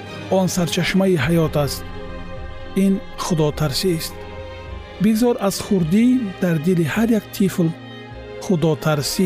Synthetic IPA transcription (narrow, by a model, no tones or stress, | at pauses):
ɔnsaɾt͡ʃʰaʃmaiɦajɔt̪ʰast̪̚ | in | χud̪ɔt̪ʰaɾsist̪ | biɡzɔɾaz̥χuɾd̪id̪̥aɾd̪ilihaɾjakt̪ʰifl | χud̪ɔt̪ʰaɾsi